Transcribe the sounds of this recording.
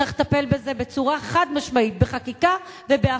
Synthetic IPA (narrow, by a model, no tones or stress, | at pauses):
aχt̪ape̞lbe̞ze̞be̞t͡suʁaeχad̪maʃmait̪̚beχakika | vebea